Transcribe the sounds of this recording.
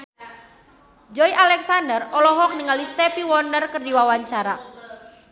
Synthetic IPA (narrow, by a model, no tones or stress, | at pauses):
d͡ʒɔiʔalɛksandərɔlɔɦɔk̚nəŋalist̪epiwɔndərkərdiwawaɲt͡ʃaɾa